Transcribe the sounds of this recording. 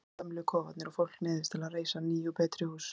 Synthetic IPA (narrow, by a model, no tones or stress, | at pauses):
amɪlɪkʰɔːvat̪nɪɾafowl̥knɪːðɪst̪ʰɪlaðreːjsaniːjupʰɛːt̪ɾɪhuːs